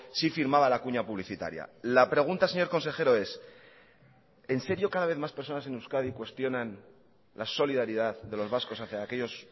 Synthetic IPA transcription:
sifiɾmaβ̞alakuɲapuβliθit̪a̰ɾja̰lapɾe̞ɣ̞unt̪ase̞ɲo̞ɾko̞nse̞xe̞ɾo̞e̞s | e̞nse̞ɾjo̞kaðaβe̞θmaspe̞ɾso̞nase̞newskaðikwe̞st̪jo̞nan | laso̞liðaɾið̞aððe̞lo̞zβasko̞saθjaːke̞ʎo̞s

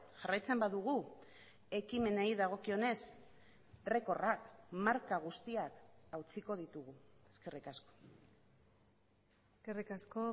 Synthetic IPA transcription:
ʝarajt͡se̞mbaðuɣ̞u | e̞kime̞naiðaɣ̞o̞kio̞ne̞s | re̞ko̞rakmaɾkaɣ̞ust̪iakawt͡siko̞ð̞it̪uɣueske̞rikasko̞̥ | eskerikasko

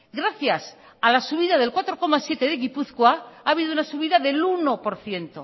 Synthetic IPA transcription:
ɡɾaθjas | alasuβ̞iðaðe̞lkwat̪ɾo̞ko̞masje̞t̪e̞ðeɣipuθkwaaːβ̞iðounasuβ̞iðaðe̞luno̞po̞ɾθje̞nt̪o̞̰

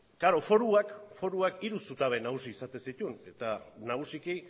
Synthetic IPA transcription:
kaɾo̞fo̞ɾuakfo̞ɾuakiɾusut̪aβe̞naɣusiːsat̪e̞sit̪une̞t̪anaɣusiki

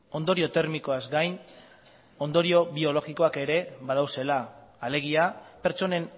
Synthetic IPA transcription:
o̞nd̪o̞ɾio̞t̪e̞ɾmiko̞azɡajn | o̞nd̪o̞ɾio̞βio̞lo̞ɣiko̞ake̞ɾe̞βað̞awse̞laːleɣ̞iape̞ɾt͡so̞ne̞n

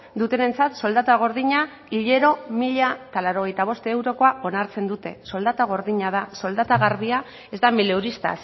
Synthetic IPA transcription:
d̪ut̪e̞ne̞nt͡sat̪so̞ld̪at̪aɣ̞o̞ɾðiɲa | iʎe̞ɾo̞miʎaet̪alaɾo̞ɣ̞e̞jt̪aβ̞o̞st̪ewɾo̞ko̞ao̞naɾt͡se̞nd̪ut̪e̞so̞ld̪at̪aɣ̞o̞ɾðiɲaðaso̞ld̪at̪aɣaɾβia | e̞zd̪amilewɾist̪a̰s

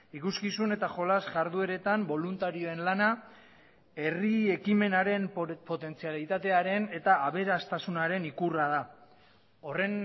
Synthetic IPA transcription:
ikuskisune̞t̪aʝo̞lasʝaɾðue̞ɾe̞t̪ambo̞lunt̪aɾio̞e̞nlana | e̞riekime̞naɾe̞mpo̞t̪e̞nt͡sialit̪at̪e̞aɾe̞ne̞t̪aːβe̞ɾast̪asunaɾe̞nikurað̞a | o̞re̞n

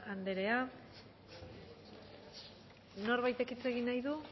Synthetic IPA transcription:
and̪e̞ɾe̞a | no̞ɾβajt̪e̞kit͡se̞ɣinajðu

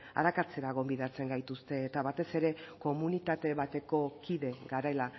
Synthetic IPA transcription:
a̰ɾakat͡se̞ɾaɣ̞o̞mbiðat͡se̞ŋɡajt̪ust̪e̞ːt̪aβat̪e̞se̞ɾe̞ko̞munit̪at̪e̞βat̪e̞ko̞kiðe̞ɡaɾaela

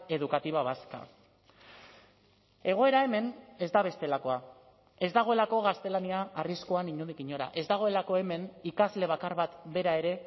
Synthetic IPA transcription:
e̞ðukat̪iβaβaska̰ | e̞ɣ̞o̞e̞ɾaeme̞ne̞zd̪aβ̞e̞st̪e̞lako̞a | e̞zd̪aɣ̞o̞e̞lako̞ɣ̞ast̪e̞laniaːriskoaniɲuðiɣiɲo̞ɾa̰ʔe̞zd̪aɣo̞e̞lako̞e̞me̞nikazle̞β̞akaɾβat̪be̞ɾae̞ɾe̞

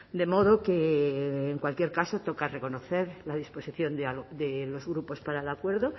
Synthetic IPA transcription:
d̪e̞mo̞ð̞o̞keː | ŋkwalkje̞ɾkaso̞t̪o̞kare̞ko̞noθe̞ɾlaðispo̞siθjo̞nd̪ald̪elo̞zɣɾupo̞spaɾaelakwe̞ɾðo̞

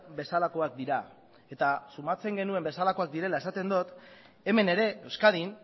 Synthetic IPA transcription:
be̞salako̞ak̚d̪iɾa | e̞t̪asumat͡se̞ŋɡe̞nue̞mbe̞salako̞ak̚d̪iɾe̞laesat̪e̞nd̪ot̪ | e̞me̞ne̞ɾe̞ewskaðin

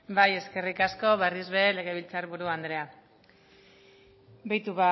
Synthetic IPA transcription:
baje̞ske̞rikasko̞βerizβele̞ɣ̞e̞βilt͡saɾβuɾuand̪ɾe̞a | bejt̪uβa

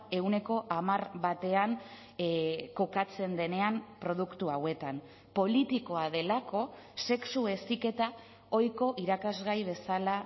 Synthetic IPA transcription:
e̞wne̞ko̞ʔamaɾβat̪e̞an | ko̞kat͡se̞nd̪e̞ne̞ampɾo̞ð̞ukt̪uawe̞t̪an | po̞lit̪iko̞aðe̞lako̞ | se̞ksue̞sike̞t̪a | o̞jko̞ʔiɾakazɣajβ̞e̞sala

